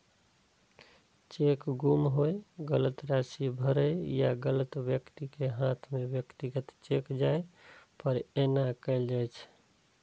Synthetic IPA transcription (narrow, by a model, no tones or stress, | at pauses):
t͡ʃekɡumɦoeɡələt̪ɾasibʱəɾəjjaɡələt̪wjəkt̪ikeɦãt̪ʰmebjəkt̪iɡət̪t͡ʃekd͡ʒaepəɾenakəld͡ʒajt͡ʃʰ